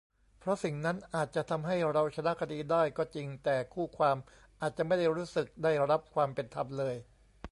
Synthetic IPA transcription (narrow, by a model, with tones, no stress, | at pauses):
pʰɾɔ˦˥si˨˩ŋna˦˥nʔaː˨˩t̪̚t͡ɕa˨˩ʔt̪ʰa˧mɦa˥˩jɾa˧wt͡ɕʰa˧na˦˥kʰa˧diː˧daː˥˩jkɔː˥˩t͡ɕi˧ŋt̪ɛː˨˩kʰuː˥˩kʰwaː˧m | ʔaː˨˩t̪̚t͡ɕa˨˩ʔma˥˩jda˥˩jɾuː˦˥sɯ˨˩k̚daː˥˩jɾa˦˥p̚kʰwaː˧mpe˧nt̪ʰa˧mlɤː˧j